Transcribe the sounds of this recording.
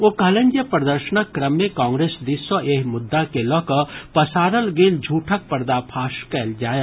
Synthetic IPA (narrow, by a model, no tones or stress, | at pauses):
okɐɦlə̃nd͡ʒjəpɾəd̪əɾʃənəkːɾəmːẽkãːŋɡɾeːsd̪isəʔeːɦmʊd̪ːakelɔkəpɐsaːɾəlɡeːld͡ʒʱuːʈʰək̚pɐɾd̪apʰaːʃkɛːld͡ʒaːje